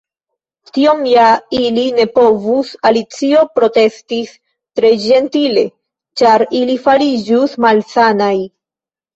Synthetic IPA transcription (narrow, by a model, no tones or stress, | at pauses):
tio̞mjailine̞po̞vusalit͡sio̞pɾo̞te̞stis | tɾe̞d͡ʒe̞ntile̞̰ | t͡ʃaɾilifaɾid͡ʒusmalsanaj